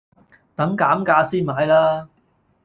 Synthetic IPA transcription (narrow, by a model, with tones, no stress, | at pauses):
t̪ɐ˨˥mkaː˨˥mkaː˧siː˥nmaː˨˥jlaː˥